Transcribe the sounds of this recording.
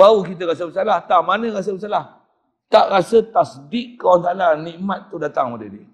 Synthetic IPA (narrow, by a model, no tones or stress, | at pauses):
baukit̪̬əɾasəbəsalaht̪amanə̃ɣas̬əbəsalah | t̪aʔɾasət̪asdiʔkːawansaalanĩʔmat̪̚ːudat̪aŋmadədiə